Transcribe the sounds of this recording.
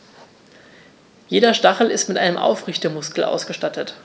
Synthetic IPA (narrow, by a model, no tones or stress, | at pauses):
jeːdɐʃtaχl̩ɪstmɪtʔaɪnəmʔa̰ʊfʁɪçtəmʊskl̩ʔa̰ʊsɡ̥əʃtatʰət